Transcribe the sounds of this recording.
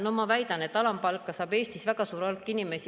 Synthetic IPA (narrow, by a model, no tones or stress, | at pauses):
no̞mɑvæjd̪̥ɑnet̪ːˑɑlɑmpɑlkːˑɑsɑːbe̞ːst̪isvæɡɑsuːɾolkːˑinime̞s